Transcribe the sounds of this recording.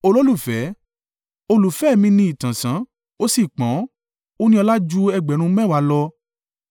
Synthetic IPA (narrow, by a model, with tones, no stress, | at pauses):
o˧lo˦lu˦˨fɛ˨˦ | o˧lu˨fɛ˦˨mĩ˧nĩ˧˦i˨tã˨sã˨˦ | o˦si˦˨k͡pã˨˦ | o˦nĩ˦ɔ˧la˦d͡ʒu˦ɛ˧ɡ͡bɛ˨˦ɾ̃ũ˧˦mɛ̃˦˨wa˨˧˦lɔ˧